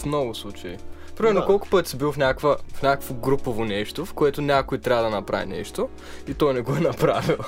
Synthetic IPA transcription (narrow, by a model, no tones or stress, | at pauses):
fmnɔɡʊslˠut͡ʃɐi | pɾimɛɾnokɔlˠkʊ̥pɤt̪ʲsibilˠofnʲakvəfnʲakəvoɡɾupovonɛʃt̪ofkoɛt̪ʊnʲakoit̪ɾʲavəd̪ɐnɐpɾa̰vḭnɛ̰ʃt̪o | it̪ɔjnɛɡoɛnɐpɾavilˠ